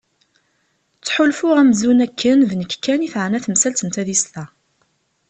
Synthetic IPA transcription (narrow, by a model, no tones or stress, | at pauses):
t͡sːħʊlfʊʁæmzunækʰːənðnəkːkːæniθʕənæθəmsælt̪ənt̪æðist̪æ